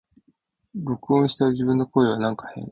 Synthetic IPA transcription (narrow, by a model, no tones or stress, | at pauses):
ɾo̞kɯ̟õɰ̃ɕi̥t̪aʑibɯ̟̃nːoko̞ːeβ̞anãŋkḁhẽ̞̰ɴ